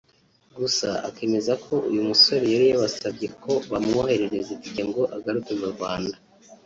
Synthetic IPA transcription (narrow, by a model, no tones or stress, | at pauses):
ɡusaa̰ke̞ːme̞zakʰo̞ʔṵjumuso̞ɾejaɾijaβasabɟe̞kʰo̞βamŋohe̞ɾeɾeziti̥ceŋɡo̞ʔaɡaɾukezuɾɡwaːnda